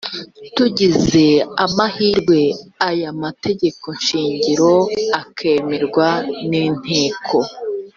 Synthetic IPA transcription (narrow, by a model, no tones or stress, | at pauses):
tuɟize̞amahiːɾɡwe̞ajamate̞ɟe̞ko̞nʃiːɲɟiɾo̞akʰe̞ːmeɾɡwanin̥he̞ːkʰo̞